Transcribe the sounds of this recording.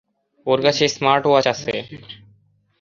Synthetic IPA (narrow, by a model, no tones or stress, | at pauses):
oɾkat͡ɕʰesmaɾʈoat͡ɕase